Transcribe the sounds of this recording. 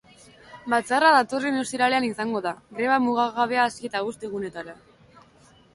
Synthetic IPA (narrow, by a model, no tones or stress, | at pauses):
bat͡saraðat̪o̞rinost̪iɾale̞anisaŋɡo̞ðaɣɾe̞βamuɣ̞aɣaβe̞aːsie̞t̪aust̪eɣ̞une̞t̪aɾa